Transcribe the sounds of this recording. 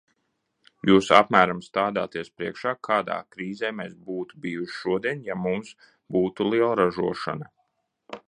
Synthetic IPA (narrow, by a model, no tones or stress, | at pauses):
juːsa̰pmæːɾamst̪aːd̪aːt̪iɛspɾiɛkʃaːkʰaːd̪a̰ːkɾiːzeːmeːsbuːt̪ubiːjuʃi̥ʃuɔd̪iɛnjamums | buːt̪ulˠiɛlˠɾaʒuɔʃa̰na